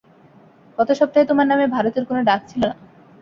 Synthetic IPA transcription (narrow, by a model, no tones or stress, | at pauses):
kɔt̪oʃɔb̚t̪aejt̪omaɾnamebʱaɾot̪eɾkonoɖak̚t͡ɕʰilona